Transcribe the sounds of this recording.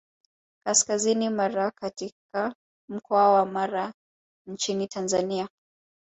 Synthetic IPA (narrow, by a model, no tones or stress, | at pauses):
kaskazinimaɾakatika | m̩kʰɔawamaɾa | nt͡ʃinitʰanzania